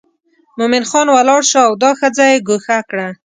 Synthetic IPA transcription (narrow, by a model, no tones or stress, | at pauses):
mʊmɪnxɑnwalɑɽʃoawd̪ɑxəd͡zajeɡoxakɽa